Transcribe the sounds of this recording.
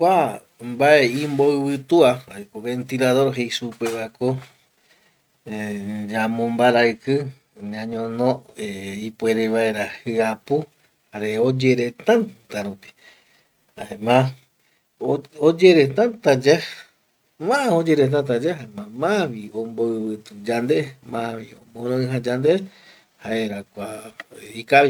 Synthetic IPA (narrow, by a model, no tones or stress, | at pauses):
kʷa | mbaeĩmboɨβɨt̪uaaekoβe̞nt̪ilaðo̞ɾɦejsupeβaeko | d͡ʒamõmbaɾaɨkɨ | ɲãɲõnõeipweɾeβaeɾahɨapu | haɾeod͡ʒeɾet̪ãnt̪aɾupi̥ | haemã | od͡ʒeɾet̪ãnt̪ad͡ʒa | mãʔaod͡ʒeɾet̪̬ãnt̪̬ad͡ʒaɦaemãmãβiõmboɨβɨt̪ud͡ʒand̪emãβiõmõɾoɨ̃ɦãd͡ʒand̪e | haeɾakʷaikaβi